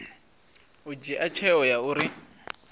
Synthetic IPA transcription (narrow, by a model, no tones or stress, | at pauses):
ud͡ʒiʔat͡ʃʰɛɔjauɾi